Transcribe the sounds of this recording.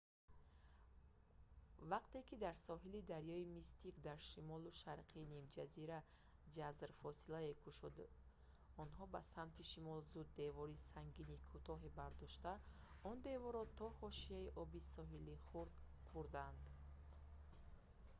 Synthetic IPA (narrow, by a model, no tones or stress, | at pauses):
vaqt̪e̞kid̪aɾsɔɦilid̪aɾjɔimist̪ikd̪aɾʃimɔluʃaɾqʰiːnimd͡ʒaziɾa | d͡ʒazɾfɔsilaekʰuʃud̪ | ɔnɦɔbasamt̪ʰiʃimɔlzud̪ːe̞vɔɾisaŋɡinikʰut̪ʰɔɦebaɾd̪ɔʃt̪aɔnd̪e̞vɔɾɔt̪ʰɔhɔʃiaiʔɔbisɔɦiliχuɾd̪ | χuɾd̪and̪